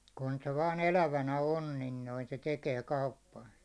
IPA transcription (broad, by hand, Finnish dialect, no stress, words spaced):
kun se ʋɑːn elæʋænæ on nin noi se tekeː kɑupːɑnsɑ̥